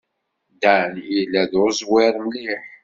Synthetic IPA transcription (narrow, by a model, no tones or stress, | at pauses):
d̪ænjilæðoɾzwɪɾˤməliħ